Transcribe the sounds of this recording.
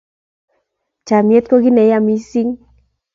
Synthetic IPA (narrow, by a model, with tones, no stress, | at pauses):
t͡ʃa˨mje˦t̪̚ko˦ɡi˦nɛ˨ja˦˨mi˦si˦ŋ